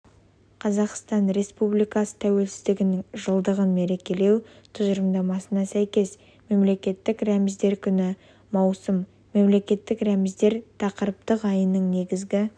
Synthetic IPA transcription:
qʰɑzɑqst̪ɑnɾe̞spublijkɑsə̥t̪ʰæwe̞lsɪzd̪ɪɡʲɪnɪŋʒəlˠd̪əʁənme̞ɾe̞kʲe̞le̞w | t̪ʰʊzəɾəmd̪ɑmɑsənɑsæjkʲe̞s | me̞mle̞kʲe̞t̪ːɪkɾæmɪzd̪e̞ɾkʲʰʏnɪ | mɑwsəm | me̞mle̞kʲe̞t̪ːɪkɾæmɪzd̪e̞ɾt̪ʰɑqəɾəp̚t̪əqɑjənəɴne̞ɡʲɪzɡʲɪ

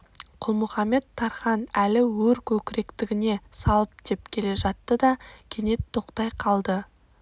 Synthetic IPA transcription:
qʰʊlˠmʊχɑmːe̞t̪ʰːɑɾχɑnælɪwɵɾkʲʰɵkʲɪɾe̞kt̪ɪɡʲɪne̞sɑlˠəp̚d̪̥e̞p̚kʲʰe̞le̞ʒɑt̪ːəd̪ɑkʲʰene̞t̪ʰːo̞qt̪ɑjqʰɑlˠd̪ə

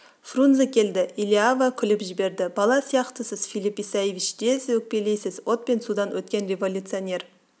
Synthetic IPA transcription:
frunzəkʲʰe̞ld̪ɪilʲiavəkʲʰʏlɪpʒɪbe̞ɾd̪ɪbɑlˠɑsijɑqt̪əsəzfilipisajevit͡ʃd̪̥eswɵk̚pe̞lejsɪzwo̞t̪̚pe̞nsud̪ɑnwɵt̪̚kʲe̞nrʲe̞vo̞lʲut̪sɨonʲe̞ɾ

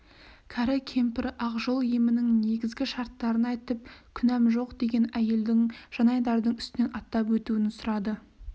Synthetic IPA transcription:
kʲʰɑɾɪkʲʰe̞mpɪɾɑqʒo̞lˠjemɪnɪŋne̞ɡʲɪzɡʲɪʃɑɾt̪ːɑɾənɑjt̪əp̚kʲʰʏnæmʒo̞qd̪e̞ɡʲe̞næje̞ld̪ɪŋʒ̥ɑnɑjd̪ɑɾd̪əɴʏst̪ɪne̞nʔɑt̪ːɑpwɵt̪uɪnsʊɾɑd̪ə

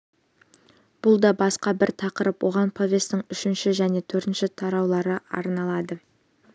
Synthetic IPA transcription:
b̥ʊlˠd̪ɑbɑsqɑbɪɾt̪ʰɑqəɾəpwʔo̞ʁɑnpʰovʲe̞st̪ɪŋʏʃɪnʃɪʒæne̞t̪ʰɵɾt̪ɪnʃɪt̪ʰɑɾɑwlˠɑɾəɑ̰ɾnɑlˠɑd̪ə

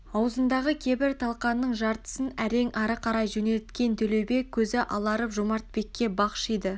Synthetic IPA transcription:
ɑwəzənd̪ɑʁəkʲʰe̞bɪɾt̪ʰɑlˠqɑnːəɴʒɑɾt̪ə̥sənæɾe̞ŋɑɾəqʰɑɾɑjʒɵne̞lt̪kʲe̞nt̪ʰɵle̞wbe̞kʲʰːɵzɪʔɑlˠɑɾəpʒomɑɾt̪̚be̞kʲːe̞bɑqʃijd̪ə

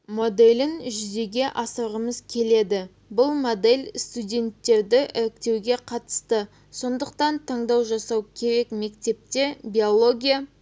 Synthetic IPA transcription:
mo̞d̪e̞lʲɪnʒʏze̞ɡʲe̞ʔɑsɑʁəməzkʲʰe̞le̞d̪ɪ | bʊlˠmo̞d̪e̞lʲst̪udʲe̞nt̪ːe̞ɾd̪ɪʔɪɾɪkt̪e̞wɡʲe̞qʰɑt̪ə̥st̪ə | so̞nd̪əqt̪ɑnt̪ʰɑɴd̪ɑwʒɑsɑwkʲʰe̞ɾe̞kme̞kt̪e̞p̚t̪e̞bʲio̞lˠo̞ɡʲija

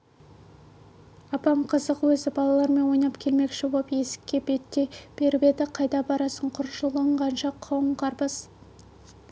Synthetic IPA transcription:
ɑpɑmqʰəzəqwɵzɪbɑlˠɑlˠɑɾme̞nwo̞jnɑpkʲʰe̞lme̞kʃɪwopje̞sɪ̥kʲːe̞be̞t̪ːeb̥e̞ɾɪpe̞d̪ɪqʰɑjd̪ɑbɑɾɑsəɴqʰʊɾʃəlˠəɴʁɑnʃɑqʰːɑwəɴqʰɑɾpəz

